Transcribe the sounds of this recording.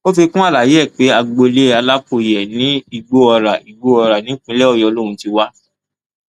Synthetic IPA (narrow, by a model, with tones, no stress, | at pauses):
o˦fi˧kũ˦a˦˨la˨je˨˦˨k͡pe˨˦a˧ɡ͡bo˧le˨˦a˧la˦ko˧˨jɛ˨nĩ˨˦i˧˨ɡ͡bo˧ɔ˧ɾa˨i˨ɡ͡bo˧˦ɔ˧ɾa˨nĩ˨˦k͡pĩ˦lɛ˦ɔ˧˨jɔ˧lõ˦˨ũ˨˦ti˧wa˦